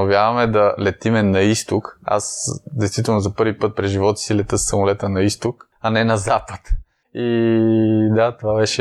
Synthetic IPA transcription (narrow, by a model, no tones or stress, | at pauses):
ovʲjavɐmɛd̪ɐlɛt̪imɛnɐist̪ʊka̰sd̪ɛjst̪vit̪ɛlˠnʊzɐpɤɾvipɤt̪̚pɾɛʒivɔt̪ə̥silɛt̪ɤsːɐmolɛt̪ənɐist̪ʊk | ɐnɛnɐzapət̪ | i | d̪at̪ovabɛʃɛ